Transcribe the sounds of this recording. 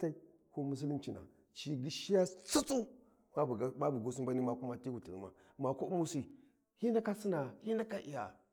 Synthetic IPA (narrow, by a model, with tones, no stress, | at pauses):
ta˦i˦ | ko˦mu˦s̬i˦li˦nt͡ʃi˨na̰˨ | t͡ʃi˨ɡi˦ʃi˦ja˦t͡su˦t͡su˦ | m˦˨˦ma˦bu˨ɡo˦s̬u˦mba˦ni˦ma˦ku˦ma˦ti˦ɡu˨ti˨ḭ˦ma̰˨ | ma˨ko˦u˦mu˦si˦ | hi˦na˦ka˦si˦na˨hi˦na˦ka˦ʔḭ˨ja˨